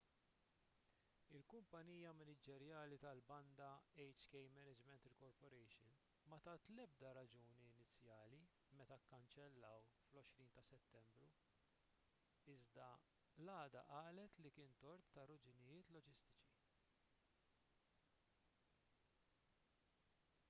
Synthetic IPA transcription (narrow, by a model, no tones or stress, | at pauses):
ɪlkʊmpɐniːjɐmɪnɪd͡ʒɛɾjɐːlit̪ɐlbɐnd̪ɐɛjt͡ʃkɛjmɛnɪd͡ʒmɛnt̪ɾɪkɔɾpɔɾɛjʃɪn | mɐt̪ɐːt̪lɛb̚d̪ɐɾɐd͡ʒuːniɪnɪt͡sːjɐːli | mɛt̪ɐkːɐnt͡ʃɛlːɐwflɔʃɾiːnt̪ɐsɛt̪ːɛmbɾu | ɪzd̪ɐ | lɐːd̪ɐ̰ʔɐːlɛt̪likɪːnt̪ɔɾt̪ːɐrʊd͡ʒɪnɪjɪːt̪lɔd͡ʒɪst̪ɪ̥t͡ʃi